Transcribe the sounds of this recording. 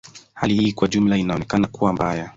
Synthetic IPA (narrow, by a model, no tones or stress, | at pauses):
halihiːkwaʄumlainaɔnɛkanakuwambaja